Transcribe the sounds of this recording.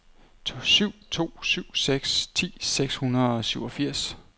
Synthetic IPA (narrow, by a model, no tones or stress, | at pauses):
syʊ̰t͡sʰo̝̰ːsyʊ̰seɡ̥st͡sʰḭːseɡ̥shunɐðˠɒ̽syʊɒ̽fiɐ̰s